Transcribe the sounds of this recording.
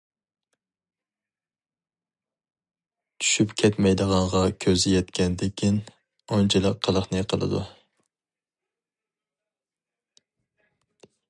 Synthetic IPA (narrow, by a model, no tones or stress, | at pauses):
t͡ʃʰy̥ʃypkʲʰɛt̪mɛjd̪əʁɑɴʁɑkʲʰøzɪjɛt̪kʲɛnd̪ɪkʲʰin | ont͡ʃʰilˠəqʰːəlˠəχnɨqʰəlˠɨ̰d̪ṵ